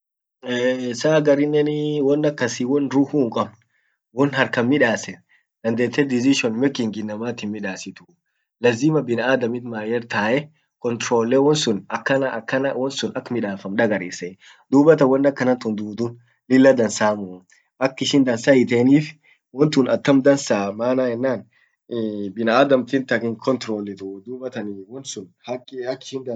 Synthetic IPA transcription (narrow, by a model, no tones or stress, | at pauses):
saːɡɐɾɪnːɛnɪwɔnːɐkːɐsiwɔnɾuːhuːŋkʼɐbn | wɔnhɐɾkɐnmɪᶑaːsɛ | d̪ɐnd̪eːt̪ːɛd̪ɪzɪʃɔnmɛkːɪŋɡɪnːɐmaːt̪ɪnmɪᶑaːsɪt̪ʊ | lɐzimɐbɪnaːd̪ɐmɪt̪maːjɛɾt̪aːʔɛ | kɔnt̪ɾoːlːewɔnsʊnɐkːɐnɐkːɐnɐwɔnsʊnɐkːmɪᶑaːfɐmᶑɐɡɐɾeːsɛ | d̪uːbɐt̪ɐwɐnːɐkːɐnɐnt̪ʊnd̪uːd̪ʊn | lɪlːɐd̪ɐnsaːmʊ | ʔɐkːɪʃɪnd̪ɐnsaːɪt̪eːniːf | wɔnt̪ʊnɐt̪ːɐmd̪ɐnsaːmaːnaːɛnːaːn | bɪnɐaːd̪ɐmt̪ɪnt̪ɐkɪŋkʰɔnt̪ɾoːlɪt̪ʊd̪uːbɐt̪ɐnwɔnsʊnhɐkːhɐkːɪʃɪnd̪ɐ